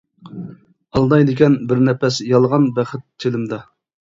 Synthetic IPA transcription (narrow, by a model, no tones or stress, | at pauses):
ɑlˠd̪ɑjd̪ɪkʲɛnbɪɾnɛpɛsjɑlˠʁɑnbɛχɪt̪ʰːelɪmd̪ɑ